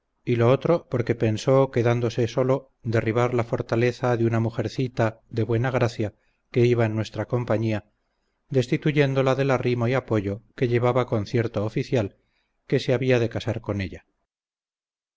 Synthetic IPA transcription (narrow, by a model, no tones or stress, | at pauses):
ilo̞ot̪ɾo̞po̞ɾke̞pe̞nso̞ke̞ðand̪o̞se̞so̞lo̞ | d̪e̞riβ̞aɾlafo̞ɾt̪ale̞θaðeunamuxe̞ɾθit̪aðe̞βwe̞naɣ̞ɾaθja | ke̞iβaenːwe̞st̪ɾako̞mpaɲia | d̪e̞st̪it̪uʝe̞nd̪o̞laðe̞larimo̞iapo̞ʝoke̞ʎe̞β̞aβako̞nθje̞ɾt̪oːfiθjal | ke̞seaβiaðe̞kasaɾko̞ne̞ʎa